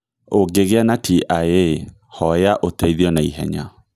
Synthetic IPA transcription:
oɡeɣeanatʰiʔae | hɔjaʔotɛiðiɔnaḭɦɛ̰ɲa̰

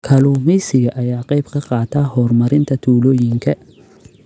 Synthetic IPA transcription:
kʰɐluːmɛjsɪɣɐʔɐjaːqɑjbkʰɐqɑːt̪ʰahɔːrmɐɾɪnt̪ʰɐt̪ʰuːlɔːjɪŋkʰɐ

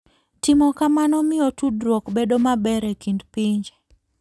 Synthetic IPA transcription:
tɪmɔkamanɔmɪotudɾokbedomabɛɾɛkindpiɲd͡ʒe

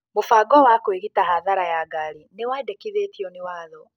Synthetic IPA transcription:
mofaːɡɔwakoweɣitaɦaðaɾajaɡaɾinewadekiðetiɔnewaːðɔ

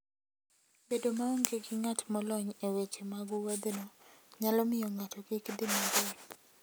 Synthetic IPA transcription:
bedomaoŋɡeɡɪŋatmɔlɔɲewet͡ʃemaɡuwad̪enoɲalɔmɪjɔŋatɔɡɪkdimaɡe

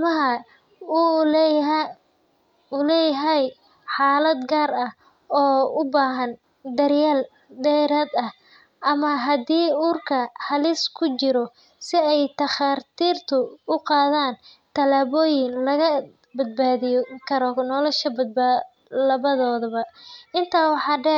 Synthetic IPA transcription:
mɐɦɐ | ʊlɛjɦɛj | ħɑːlɐd̪ɡaːrɐh | ɔːʊbaːɦɐn | d̪ɐrjaːl | d̪ɛjɾaːd̪ɐh | ʔɐmɐɦɐd̪iːuːrkʰɐhɐlɪskʰʊt͡ʃɪɾɔ | sɪɛjt̪ʰɐχɑrt̪ʰiːrt̪ʰʊʊqɑːðaːnt̪ʰɐlaːβɔːjɪŋlɐɣɐ | bɐd̪̚baːðɪjɔkʰɐɾɔnɔlɐʃɐbɐd̪̚b | lɐβɐðɔːðɐβɐɪnt̪ʰaːwɑħɑːɖɛ

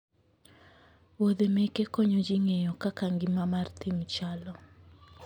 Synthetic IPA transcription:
wod̪emekekɔɲod͡ʒiŋejɔkakaŋɡɪmamart̪imt͡ʃalɔ

